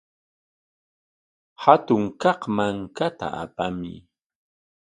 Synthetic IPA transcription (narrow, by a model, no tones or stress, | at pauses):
hat̪ʊŋkɑqmaŋkat̪a̰ʔa̰pamɪ̰